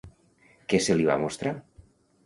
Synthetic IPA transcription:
keseliβa̰most̪ɾa

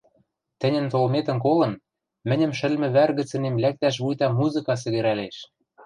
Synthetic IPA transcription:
t̪ɘ̆nʲɘ̆nt̪olmet̪ə̆nkolɤ̆n | mɘ̆nʲɘ̆mʃɘ̆lmɘ̆βærɣɘ̆t͡sɘ̆nemlæk̚t̪æʃ̬βujt̪ɑmuzɨkɑs̬ɘ̆ɣɘ̆ɾæleʃ

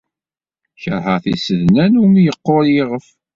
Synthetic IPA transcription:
çəɾˤɦəθḭsəðnænumijəqːoɾjeʁəf

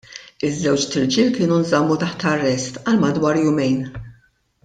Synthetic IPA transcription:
ɪzːɛwt͡ʃt̪ɪɾd͡ʒiːlkɪːnunzɐmːut̪ɐħt̪ɐrːɛst̪ɐlmɐd̪wɐːɾjʊmɛjn

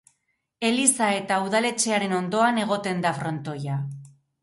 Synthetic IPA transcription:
e̞lisae̞t̪auðale̞t͡ʃe̞aɾe̞no̞nd̪o̞ane̞ɣ̞o̞t̪e̞nd̪afɾo̞nt̪o̞ja

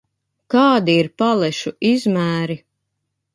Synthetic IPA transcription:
kɑːd̪iiɾpalɛʃuʔizmæːɾi

